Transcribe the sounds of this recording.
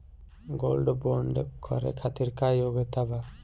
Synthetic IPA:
ɡolɖɔbɔɳɖɛ̰kʰɔ̰ɾɛ̰kʰat̪iɾkajoɡɛt̪aba

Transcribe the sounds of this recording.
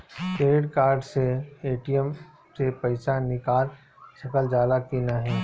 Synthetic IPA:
keːɖɪʈkaːɾɖseeːʈijəm | sepɐɪsanɪkaːl | sɐkəld͡ʒaːd̪akiːnaɦɛː

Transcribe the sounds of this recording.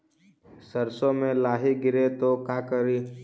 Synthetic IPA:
səɾsõmẽlaːɦiɡɪɾet̪okaːkəɾi

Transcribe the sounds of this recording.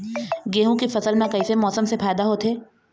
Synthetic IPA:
ɡeːɦõkifɐsəlmẽkɐisemɔːsəmsefaːɪd̪aɦoːt̪ʰeː

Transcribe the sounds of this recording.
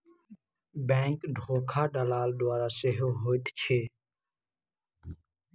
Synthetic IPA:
bẽːŋkɖʱoːkʰaːɖəlaːld̪ʊaːɾaːseɦoːɦoːjt̪t͡ʃʰeː

